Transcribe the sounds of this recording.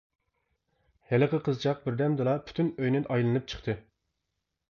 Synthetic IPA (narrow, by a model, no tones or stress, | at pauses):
hælɨqəqʰəzt͡ʃʰɑq̚bɪɾd̪ɛmd̪ɨlˠɑpʰy̥t̪ʰynøjnɪnʔɑjlˠɨnɨp̚t͡ʃʰə̥χt̪ʰɨ